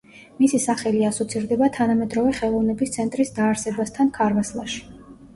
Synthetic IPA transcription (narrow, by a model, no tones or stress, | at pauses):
misisaχɛliasɔt̪sʰiɾd̪ɛbat̪ʰanamɛd̪ɾɔvɛχɛlˠɔvnɛbist̪sʰɛnt̪ʼɾisd̪aːɾsɛbast̪ʰankʰaɾvaslˠa̰ʃi̥